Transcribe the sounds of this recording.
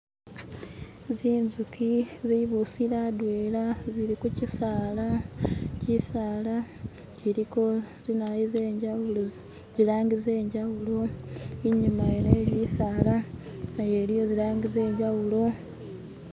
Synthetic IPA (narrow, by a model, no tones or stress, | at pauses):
ziːnzukiziβusiɾadwe̞ːlaziɾikucisaːlacisaːla | ciɾiko̞ | zinajize̞ːɲɟawulo | ɟilaːŋɡize̞ːɲɟawulo̞iɲumajeneːβisalajeɾijo̞zilaːŋɡize̞ːɲɟawulo̞